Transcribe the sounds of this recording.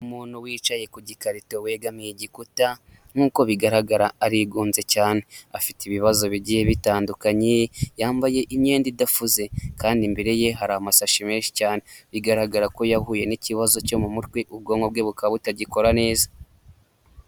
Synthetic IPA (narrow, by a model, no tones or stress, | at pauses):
umuːn̥huwiːt͡ʃaje̞kuɟikaɾito̞we̞ːɡamŋiɟikuta | n̥uːko̞βiɡaɾaɡaɾaːɾiɡuːnze̞caːne̞afitiβiβazo̞βiɟihe̞βitaːndukaɲejaːmbaje̞ʔimɲe̞ːndidafuze̞kaːndimbeɾe̞je̞ɦaɾaamasaʃime̞ːnʃi̥caːne̞βiɡaɾaɡaɾako̞jahuːje̞niciβazo̞co̞mumutweʔuβɡo̞ːŋɡo̞b̚ɡe̞βukaβutaɟiko̞ɾane̞ːza